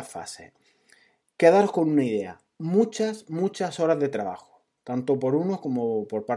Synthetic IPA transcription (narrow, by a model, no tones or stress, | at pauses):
fa̰se̞̰ | keðaɾohko̞nunaiðe̞a̰ | mut͡ʃasmut͡ʃaso̞ɾazðe̞t̪ɾaβa̰xo̥ | t̪ant̪opo̞ɾuno̞hko̞mopo̞ɾpa